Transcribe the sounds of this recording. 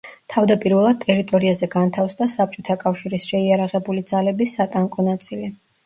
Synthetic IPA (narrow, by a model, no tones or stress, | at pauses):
t̪ʰavd̪apʼiɾvɛlˠad̪̚t̪ʼɛɾit̪ʼɔɾiazɛɡant̪ʰafsd̪asap̚t͡ʃʼɔt̪ʰakʼafʃiɾisʃɛiaɾaʁɛbulid̪zalɛbisːat̪ʼaŋkʼɔnat̪sʼili